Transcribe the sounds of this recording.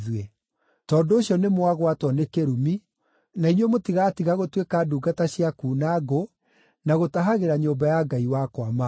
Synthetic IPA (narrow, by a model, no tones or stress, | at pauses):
ðwɛ | tɔːndoːɕjɔnemoaɣwatwɔnekeɾumi | nainwɛmotiɣatiɣaɣotwekaduːɡataɕiakuːnaɡo | naɣotaɦaɣeɾaɲoːbajaɡaiwakwama